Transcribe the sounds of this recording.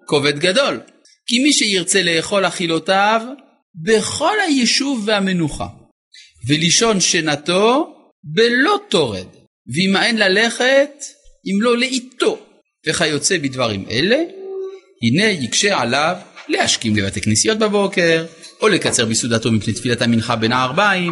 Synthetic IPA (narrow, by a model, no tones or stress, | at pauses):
koved̪ɡad̪o̞l | kimiʃejiʁt͡se̞leːχo̞laχilo̞t̪av | beχo̞lhajiʃuvːehame̞nuχa̰ | veliʃo̞nʃenat̪o̞ | belo̞t̪oʁḛd̪ | veimaenlale̞χet̪ʔimlo̞leit̪o̞ | veχajo̞t͡se̞bid̪vaʁimʔḛle̞ | hine̞jikʃeʕalavle̞haʃkimlevat̪eknisijo̞t̪̚babo̞ke̞ʁolekat͡se̞ʁbisud̪at̪o̞mipnejt̪filat̪haminχabe̞naːʁbaim